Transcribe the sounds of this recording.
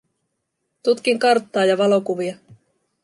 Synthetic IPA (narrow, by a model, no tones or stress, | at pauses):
t̪ut̪k̟iŋkɑrt̪ːɑːjɑʋɑlo̞kuʋiɑ